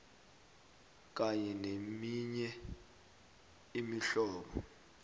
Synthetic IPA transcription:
k̬aɲɛnemiɲɛ | imiɬɔːɓɔ̰

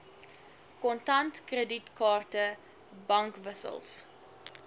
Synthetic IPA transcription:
kɔntɐntkrəditkɑːrtə | bɐŋkvəsə̰lˠs

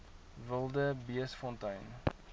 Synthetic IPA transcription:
vəlˠdəbiəsfɔntœjn

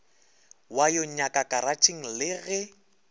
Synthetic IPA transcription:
wajoɲakʼakʼaɾat͡ʃʼɪŋ̩lɪɣɛ

